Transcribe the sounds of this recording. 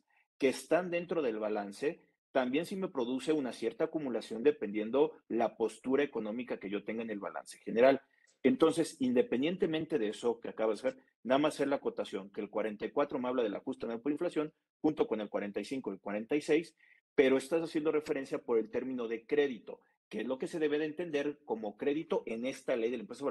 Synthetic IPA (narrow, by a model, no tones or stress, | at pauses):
ke̞ːst̪and̪e̞nt̪ɾo̞ðe̞lβalanse̞ | t̪ambje̞nsime̞pɾo̞ðuse̞unasje̞ɾt̪aːkumulasjo̞nd̪e̞pe̞nd̪je̞nd̪o̞lapo̞st̪uɾae̞ko̞nõ̞mikake̞ʝo̞t̪e̞ŋɡoenelβa̰la̰nse̞̥xe̞ne̞ɾal | e̞nt̪o̞nse̞sind̪e̞pend̪je̞nt̪e̞mẽnt̪e̞ðeeso̞keakaβaðesaseɾ | naðamasːe̞ɾlako̞t̪asjo̞ŋkelkwaɾe̞nt̪ajkwat̪ɾo̞maβlaðe̞la̰xust̪anapoiɱflasjo̞n | xunt̪o̞ko̞ne̞lkwaɾe̞nt̪ajsiŋko̞elkwaɾe̞nt̪ajse̞js | pe̞ɾo̞e̞st̪asasjend̪o̞re̞feɾe̞nsjapo̞ɾe̞lt̪e̞ɾmĩno̞ðe̞kɾe̞ðit̪o̞ | keezlo̞ke̞se̞ðe̞β̞e̞ð̞eːnt̪e̞nd̪e̞ɾko̞mo̞kɾe̞ðit̪o̞ʔe̞ne̞st̪alejðe̞lempɾes̬aβ